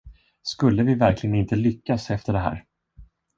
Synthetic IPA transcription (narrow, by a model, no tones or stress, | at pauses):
skɵlːəvɪvæɾklɪɡənɪnt̪əlʏkːasɛft̪əɖɛɦæ̰ːɾ